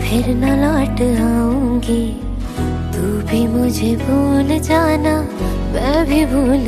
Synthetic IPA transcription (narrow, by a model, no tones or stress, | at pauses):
pʰɪɾnalaːʈaːũːɡe | t̪u | bʱimʊd͡ʒʱebʱuːld͡ʒaːna | ʋɛːbʱibʱuːl